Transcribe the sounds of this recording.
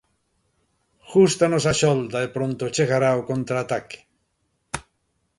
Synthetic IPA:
xust̪anosaʃold̪aepɾont̪ot͡ʃeɣaɾaokont̪ɾaːt̪ake̥

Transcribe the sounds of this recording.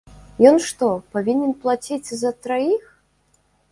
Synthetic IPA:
jɔnʂt̪ɔpavʲinʲɛnplˠat͡sʲit͡sʲzɐt̪ɾajix

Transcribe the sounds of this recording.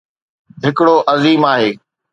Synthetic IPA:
ɦɪkɽoːʔɐziːmaːɦeː

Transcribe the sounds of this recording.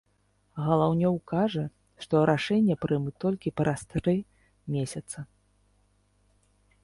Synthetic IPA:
ɣɐlˠawnʲɔwkaʐɐ | ʂt̪ɔɾʔaʂɛnʲːɐpɾʔɨmɨt̪ɔlʲkʲipɾʔast̪ɾɨ | mʲesʲɐt̪sɐ

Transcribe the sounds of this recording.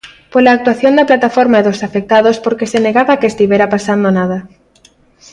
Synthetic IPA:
polaːk̚t̪waθjond̪aplat̪afoɾmaeðosafek̚t̪aðospoɾkeseneɣaβakest̪iβjeɾapasand̪onað̞a

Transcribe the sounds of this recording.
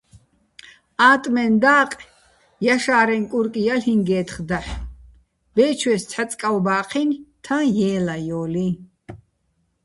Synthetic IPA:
aːt̪ʼmɛnd̪aːqʼ | jaʃaːɾɛŋkʼuɾkʼijalhiŋɡɛːt̪ʰχd̪aħ | b̥ɛːt͡ʃʰwɛst͡sʰħat͡sʼkʼawbaːqʰint̪ʰãjɛːlajɔːli

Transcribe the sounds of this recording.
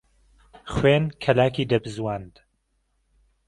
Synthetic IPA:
χweːnkʰɐlaːkiːd̪ɐbɨzwand̪

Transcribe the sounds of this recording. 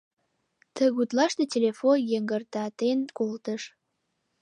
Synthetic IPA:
t̪əɣut̪lɑʃt̪etʲelʲefojəŋɡərt̪ɑt̪enkolt̪əʃ

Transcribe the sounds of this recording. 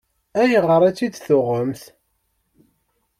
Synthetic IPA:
æjəʁəɾˤæt͡sːid̪θʊʁəmθ

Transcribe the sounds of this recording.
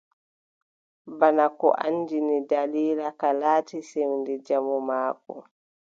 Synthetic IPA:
banakɔ̰ʔa̰ɲːd͡ʒinidaliːlakalaːtisewndɛd͡ʒamɔmaːkɔ̰

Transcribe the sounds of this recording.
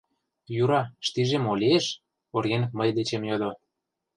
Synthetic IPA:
juɾɑʃt̪iʒemolʲieʃ | orɣenməjd̪et͡ɕemjod̪o

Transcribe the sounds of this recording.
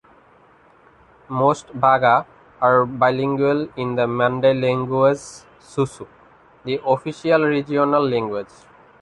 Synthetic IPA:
mosʈbʱaɡaː | ɾbaɪlĩŋɡuelĩnd̪əmãnɖeleŋɡuez | susu | d̪iʔofiʃialɾid͡ʒionalːẽŋɡwed͡ʒ

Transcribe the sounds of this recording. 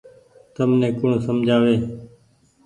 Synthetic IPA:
t̪əmnẽːkʊɳːsəmd͡ʒʱaːʋeː

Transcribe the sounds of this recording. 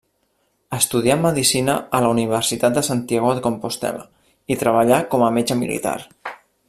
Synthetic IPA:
əst̪uð̞iamːəðisinəələuniβ̞əɾsit̪at̪̚d̪əsant̪iɛɣoðəkompost̪ɛ̰lə̰ | it̪ɾəβəʎakɔməmed͡ʒəmḭlḭt̪a̰ɾ

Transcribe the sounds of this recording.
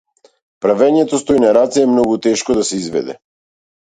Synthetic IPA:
pɾavɛɲɛt̪ɔst̪ɔjnaɾat̪siɛmnɔɡut̪ɛʃkɔd̪asɛizvɛ̰d̪ɛ̰

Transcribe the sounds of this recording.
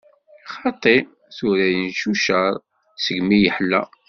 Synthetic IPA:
χɑt̪ˤːi | θuɾæjənʃuʃəɾˤ | səɡmijəħlːæ̰

